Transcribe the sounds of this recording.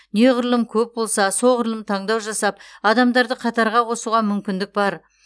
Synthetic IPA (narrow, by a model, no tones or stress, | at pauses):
neʁʊɾlˠəmkʲʰɵp̚bo̞lˠsɑsoʁʊɾlˠəmt̪ʰɑɴd̪ɑwʒɑsɑp̚ɑd̪ɑmd̪ɑɾd̪əqʰɑt̪ɑɾʁɑwo̞suʁɑmʏmkʲɪnd̪ɪk̚bɑɾ